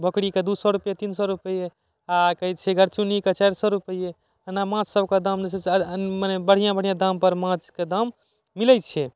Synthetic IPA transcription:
bʱəkɽiked̪usɔɾupjet̪insɔɾupəje | akəjt͡ʃʰɛɡəɾt͡ʃuniket͡ʃaɾsɔɾupəje | ənːamãt͡ʃsəbʱked̪amd͡ʒesemanɛbəɽ̤ijãbəɽ̤ijãd̪ampəɾmãt͡ʃked̪amː | ilɛt͡ʃʰe

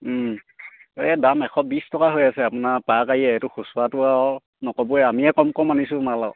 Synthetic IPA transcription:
ɛdamɛkʰɔbistɔkaɦojasɛapunapakajɛːtʊxusuwatʊaɔ | nɔkɔbuɛamiɛkɔmkɔmːanisʊ̃malaʊ

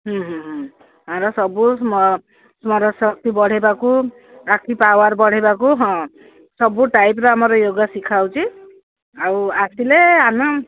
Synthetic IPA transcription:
ɦɔ̃ɦɔ̃ɦɔ̃ | ɦãɾɔsɔbusm | smɔɾɔsɔk̚t̪ibɔɽ̤ebaku | akʰipawaɾbɔɽ̤ebakuɦɔ̃ | sɔbuʈajp̬ɾɔamɔɾɔjoɡasikʰawt͡ʃʰi | awasileanɔ

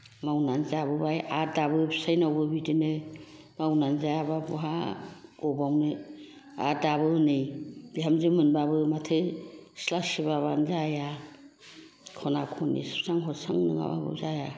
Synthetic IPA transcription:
mawnanzabɯbajadabɯbʰsajnawbɯbidɯnɯ | mawnanzajababuɦaɡɔbawnɯ | a̰dabɯnɯjb̥iɦamzimɯnbabɯmatʰɯslasibaβanzaja | kʰɔnakʰɔnḭspsaŋɦɔsaŋnɯ̰ŋa̰ba̰bɯ̰zaja

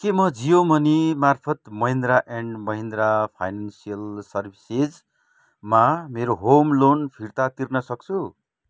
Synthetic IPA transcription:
kemʌd͡zijomʌnimarpʰʌt̪mʌɦĩnd̪ɾaʔeɳɖmʌɦind̪ɾapʰa̰jnansijʌlsʌrbʱised͡z | mameɾoɦomlonpʰirt̪at̪irnʌsʌk̚t͡sʰu

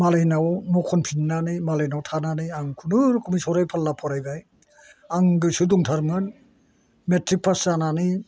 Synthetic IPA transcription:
malajnawmɔkʰɔnpʰinːanimalajnawtʰananɯaŋkʰunɯɾkʰumisɔɾajpʰalːapʰɔɾajbaj | aŋɡɯsuduŋtʰaɾmɯn | metɾik̚pʰasanani

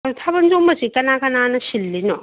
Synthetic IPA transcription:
utʰabɐnzomɐsikɐnakɐnanɐsilːinɔ

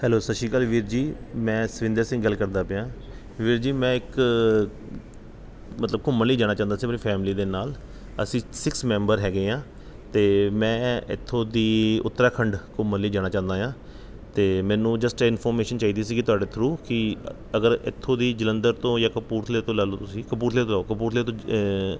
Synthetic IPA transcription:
hɛːloːsəʃiːkəːlʋiːɾd͡ʒiːmɛ̃ːsəʋɪ̃nd̪eːsɪ̃ŋɡɡəlkəɾd̪aːpejãː | ʋiːɾd͡ʒiːmɛ̃ːɪk | mət̪ləb̚kʊmːənliːd͡ʒaːɽ̃aːt͡ʃãːnd̪aːsiːmːɾiːpʰɛːmliːd̪eːnaːl | ə̰sĩːsɪksmɛ̃ːmbəɾɦɛːɡeːãː | t̪eːmɛ̃ːɪ̰t̪ʰːõːd̪iːʊ̰t̪ːɾaːkʰəɳɖkʊmːəliːd͡ʒaːɽ̃aːt͡ʃãːnd̪aːjãː | t̪eːmɛ̃ːnũːd͡ʒəsʈɪnpʰɔːɾmeːʃənt͡ʃaːiːd̪iːs̬iːkɪt̪ʊaːɖeːt̪ʰɾuːkɪ | əɡəɾɪ̰t̪ʰːõːd̪iːd͡ʒələ̃nd̪əɾt̪õːjaːkəpuːɾt̪ʰleːt̪õːlɛːloːt̪ʊsĩːkəpuːɾt̪ʰleːt̪õlɛːokəpuːɾt̪ʰleːt̪õː

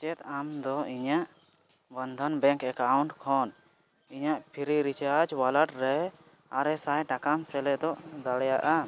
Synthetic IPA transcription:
t͡ʃɛt̪̚amd̪ɔiɲaʔ | bənd̪ʱɔnbɛ̃ŋkɛkawuɳʈkʰɔn | iɲaʔpʰiɾiɾit͡ʃad͡ʒwalaʈɾɛ | aɾɛsajʈakamsɛlɛd̪ɔʔd̪aɽjaʔa

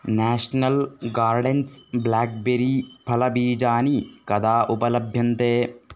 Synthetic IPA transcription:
naːʂɐnɐlɡaːɾɖensblaːk̚beɾipʰɐlɐbiːd͡ʒaːnikɐd̪aːʔupɐlɐbʱjɐnt̪eː

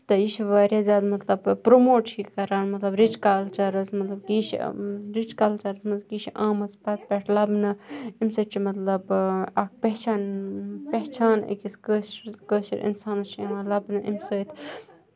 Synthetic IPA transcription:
t̪ɐiʃʰʋaːɾʲjazʲaːd̪mɐt̪lɐbpɾomoːʈt͡ʃʰikkɐɾaːnmɐt̪lɐbɾit͡ʃkaːlt͡ʃɐɾɨsmɐt̪lɐbkiʃɾit͡ʃkalt͡ʃɐɾəsmɐkit͡ʃʰʔãːmɐspɐt̪̚pʲeʈʰlɐbnɨimsɐt͡ʃʰimɐt̪lɐbɐk̚ʰpeɦt͡ʃʰaːnpeɦt͡ʃʰaːnḭkiskəɾkəʃḭɾʔḭnsaːnɐt͡ʃʰiɐãlɐbnɨʔimsəːt̪ʰ

